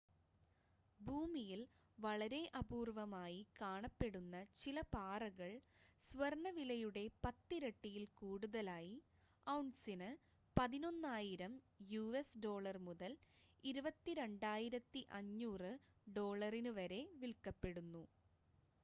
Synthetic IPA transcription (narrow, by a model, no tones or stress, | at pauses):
bʱuːmijil | ʋɐɭɐɾe̞ʔɐbuːrʋɐmaːjikaːɳɐpːe̞ɽunːɐt͡ɕilɐpaːrɐɣɐɭsʋɐrɳɐʋilɐjuɽe̞pɐt̪ːiɾeʈːijilkuːɽuðɐlaːji | ɐwɳɖsinɨ | pɐðino̞nːaːjiɾɐm | juːesɖo̞ːɭɐrmuðɐl | iɾubɐt̪ːiɾe̞ɳɖaːjiɾɐt̪ːiʔɐɲːuːrɨɖo̞ːɭɐrinɨʋɐɾe̞ʋilkɐpːe̞ɽunːu